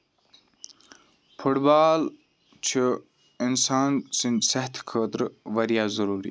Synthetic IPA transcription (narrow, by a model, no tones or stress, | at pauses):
pʰuʈbaːl | t͡ʃʰi | insaːnsinsɐɦt̪ʰkʰəːt̪ɾʋɐɾjaːzɐɾuːɾḭː